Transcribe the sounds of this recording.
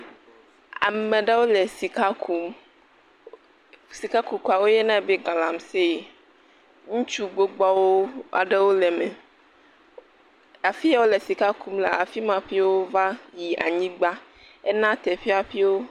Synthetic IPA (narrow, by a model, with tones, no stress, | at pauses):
a̰˨me˨ɖe˦wo˦le˨si˨ka˦kʰu˨˦m | si˨ka˦ku˨ku˨a˨wo˦je˦nã˦˨be˦ɡa˨la˨mse˦˨ | ŋũ˦t͡ʃu˦ɡ͡bo˦ɡ͡bɔ˦wo˦a̰˨ɖe˦wo˦le˨me˨ | a˨fi˦a˦wo˦le˨si˨ka˦ku˦mlḛ˨a˨fi˦mã˨ɸi˦wo˦va˦ji˨ʔa̰˨ɲĩ˦ɡ͡ba˦ | ɛ˦nã˦t̪ɛ˨ɸi˦a˨ɸi˦wo˦